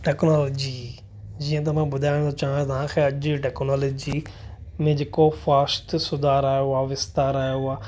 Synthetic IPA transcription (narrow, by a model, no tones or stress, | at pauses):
ʈɛːknɔːloːd͡ʑi | d͡ʑiːə̃t̪̬ɐm̤ãbʊd̪ʱaːɪɽ̃d̪ot͡ʃaːɦt̪ɐʋãkʰeɐd͡ʒiʈɛːknɔːloːd͡ʑimẽd͡ʑekofaːst̪sʊd̪ʱaːɾaːjoaːʋɪst̪aːɾaːjoaː